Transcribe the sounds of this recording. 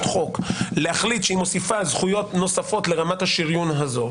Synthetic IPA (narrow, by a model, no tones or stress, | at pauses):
t̪χo̞kleaχlit̪ʃeimo̞sifazχujo̞t̪no̞safo̞tle̞ʁamathaʃiʁjunɦazo̞